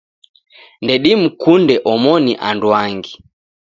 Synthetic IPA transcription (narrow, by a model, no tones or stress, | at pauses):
ndɛɗim̩kundɛʔɔmɔniʔandwaŋɡi